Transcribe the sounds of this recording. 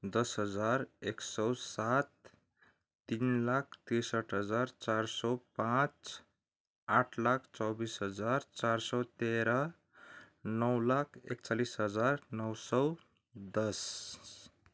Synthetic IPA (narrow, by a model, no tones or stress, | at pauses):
d̪ʌsɦʌd͡zaɾeksʌwsat̪ː | inlak̚ʰt̪esʌʈʰɦʌd͡zaɾt͡saɾsɔwpãt͡s | aʈʰlakʰt͡sɔbisɦʌd͡zaɾt͡saɾsɔt̪eɾʌ | nʌwlakʰḛkt͡salisɦʌd͡zarnʌwsʌw | d̪ʌs